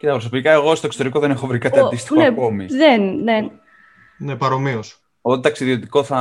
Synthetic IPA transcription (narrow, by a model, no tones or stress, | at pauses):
cet̪ɐpɾs̬o̞pikɐe̞ɣo̞st̪oeksot̪eɾiko̞ðe̞ne̞xo̞vɾikɐt̪iɐdd̪ist̪iekomḭðenne | nepɐɾo̞mios | ot̪ɐksiðio̞t̪iko̞θɐ